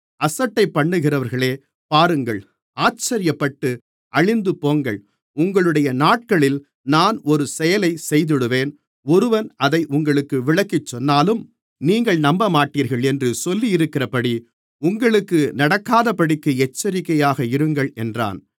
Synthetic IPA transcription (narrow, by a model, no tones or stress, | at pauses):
ɐsɐʈːɐɪpːɐɳːɯɣɪrɐʋɐɾɣɐɭeː | paːɾɯŋɡɐɭ | aːt͡ʃːɐɾɪjɐpːɐʈːɯ | ʔɐɻɪnd̪ɯpoːŋɡɐɭ | ʊŋɡɐɭɯɽɐjɐnaːʈ̚kɐɭɪl | naːnɔɾɯsɛjɐlɐɪsɛjðɪɽɯʋeːn | ɔɾɯʋɐnɐðɐɪʔʊŋɡɐɭɯkːɯʋɪɭɐkːɪt͡ʃːɔnːaːlɯm | niːŋɡɐɭnɐmbɐmaːʈːiːɾɣɐɭɛndrɯsɔlːijɪɾɯkːɪrɐpɐɽi | ʊŋɡɐɭɯkːɯnɐɽɐkːaːðɐpɐɽɪkːɯɛt͡ʃːɐɾɪkːɐjaːɣɐɪɾɯŋɡɐɭɛndra̰ːn